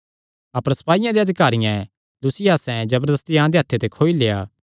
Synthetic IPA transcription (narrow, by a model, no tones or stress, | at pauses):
ɐpəɾsɐ̥paːijãd̪eɐd̪ʱɪkaːɾɪjã | lusɪjaːsɛ̃d͡ʒɐbəɾd̪əst̪ijãd̪eɦat̪ʰːet̪ekʰoːileja̰ː